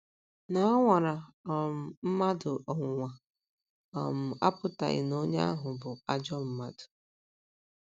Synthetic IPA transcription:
na˨˦a˦ŋʷa˨ɾa˨ɔ˨m̩˨m̩˦ma˦dʊ˨ʔɔ˨ŋʷʊ˨ŋʷa˨ | ɔ̰˨m̩˨a̰˦pʊ˨ta̰˨ɣɪ̰˨no˦ɲe˦a˦ɦʊ˨bʊ˨a˦d͡ʒɔ˦m̩˦ma˦dʊ̥˨

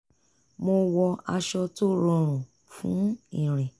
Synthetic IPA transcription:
mo˧wɔ˧a˧ʃɔ˧to˦˨ɾɔ˧ɾ̃ũ˨ | fṵ̃˨˦ĩ˦˨ɾ̃ɛ̃˨

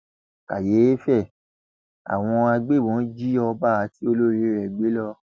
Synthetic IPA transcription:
ka̰˨je˨˦e˦fɛ˦˨ | a̰˨w̃ɔ̃˧a˧ɡ͡be˦˨wɔ̃˨˦d͡ʒi˦ɔ˧ba˦˨a˨˦ti˦o˧lo˦ɾi˨˦˨ɾɛ˨ɡ͡be˨˦lɔ˧

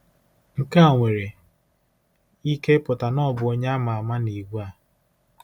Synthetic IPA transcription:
ŋ̩˦ka˦a˨ŋʷe˨ɾe˨ | i˦ke˦pʊ˨ta˨nɔ˦˨bʊ˨o˦ɲe˦a˦ma˨a˨ma˦ni˨ɡʷu˦a˦˨

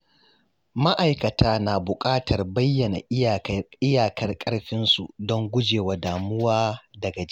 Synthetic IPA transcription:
ma˦ʔa˨jkɐ˨tʰaː˦naː˨bʊ˨kʼaː˦tʰɐ˨rbɐ˦jːɐ˨na̰˨ʔɪ˦jaː˨kʰɐ˦rkʼɐ˦ɽɸɪ˦nsu˨dɔ˦ŋɡʷʊ˦d͡ʒeː˨waː˨daː˨mʊ˦waː˦dɐ˨ɡɐ˨d͡ʒ

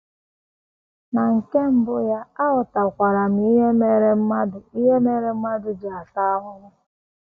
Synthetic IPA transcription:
na˨ŋ̩˨ke˦m̩˦bʊ˦ja˦a˦ɦʊ˨ta˨kʷa˨ɾa˨m̩˨i˦ɦe˦me˨ɾe˦m̩˦ma˦dʊ˨i˦ɦe˦me˦ɾe˦m̩˦ma˦dʊ˨d͡ʒɪ˨a˨ta˦a˦ɦʊ˦ŋʷʊ˦

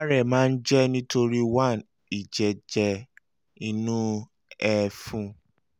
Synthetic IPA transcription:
a˦ɾɛ˦˨mãː˦˧n̩˦d͡ʒɛ˦nĩ˦to˧ɾi˦wã˦˨n | i˨d͡ʒɛ˨d͡ʒɛ˧ | i˧nũ˦ | ɛ˨fũ˦˧

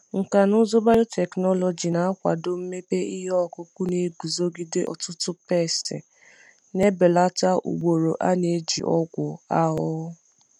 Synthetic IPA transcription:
ŋ̩˨ka˨nʊ˦zʊ˦ba˦ɾo˦tʰɛ˨knɔ˦lɔ˨d͡ʒi˨na˨a˦kʷa̰˨dʊ˦m̩˦me˦pe˦i˦ɦɔ˦˨kʊ˦kʷʊ˦ne˨˦ɡu˨zo˦ɡi˦de˦ʔɔ̰˨tʊ˦tʊ˦pe˦˨stɪ̰˨ | ne˦be˨la˦ta˦ṵ˨ɡ͡bo˨ɾo˨ʔa̰˦ne˨˦d͡ʒḭ˨ʔɔ˦ɡʷʊ˨a˦ɦʊ˦

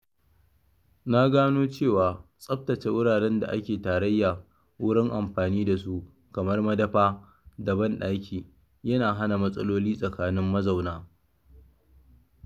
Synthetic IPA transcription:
na˦ɡaː˦noː˦t͡ʃeː˦˨waː˨sʼɐ˦ɸ̚tɐ˨t͡ʃe˨˦wʊ˦ɽaː˨ɽɛ˦nda̰˨ʔa̰˦kʲeː˨taː˨ɾɐ˦jːaː˨ | wʊ˦ɽɪ˦ŋʔa˨mɸaː˨niː˦da˨s̬u˦ʔ | kɐ˨mɐ˦rmɐ˦dɐ˦ɸaː˦ | dɐ˨bɐ˦nɗa˦kʲʰiː˨ | jɐ˦naː˨ɦa˦na˨mɐ˦sʼɐ˦loː˦liː˦sʼɐ˨kaː˦nɪ˦mːɐ˦za˨wnaː˦

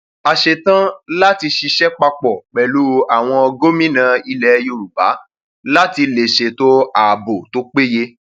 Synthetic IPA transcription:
a˨ʃe˨tã˦la˦ti˧ʃi˧ʃɛ˦k͡pa˧k͡pɔ˨k͡pɛ˨lu˦˧a˨w̃ɔ̃˧ɔ˧ɡo˦mĩ˦nã˧i˧lɛ˨˦jo˧˨ɾu˨ba̰˨˦ | la˦ti˧le˨ʃe˨to˦aː˨bo˨to˦k͡pe˦je˧

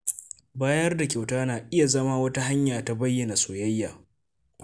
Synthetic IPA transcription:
baː˦jɐ˦rda˨kʲa˨wtaː˦naː˨ʔɪ˦ja˨zɐ˦maː˦wɐ˦ta˦ɦa˦ɲjaː˨ta˦bɐ˦jːɐ˨na˨soː˨jɐ˦jːaː˨

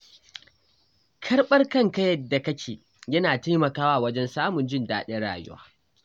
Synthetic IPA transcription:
kʰɐ˦rɓɐ˦rkɐ˦ŋkɐ˦jɐ˨dːa˨kɐ˦kʲʰeː˨ | jɐ˦naː˨ta˦mɐ˨kaː˦waː˦˨wɐ˦d͡ʒɛ˦nsaː˦mʊ˨nd͡ʒɪ˦ndaː˦ɗe˦ɽa̰ː˨jʊ̰˦wa̰ː˦

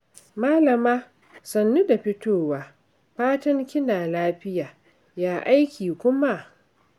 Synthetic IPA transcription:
maː˦lɐ˨maː˦ | sɐ˨nːu˦da˨ɸɪ˦toː˦waː˨ | ɸaː˦tɐ˦ŋkʲɪ˦naː˨laː˦ɸɪ˦jaː˨ | jaː˦ʔa˦jkʲiː˨kʷʊ˦ma˦ʔ

